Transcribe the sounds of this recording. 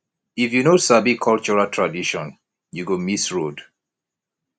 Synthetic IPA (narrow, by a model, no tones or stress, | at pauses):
ifjunosabikʰɔlt͡ʃɔɹaltʰɹadiʃɔ̃n | juɡomisɹod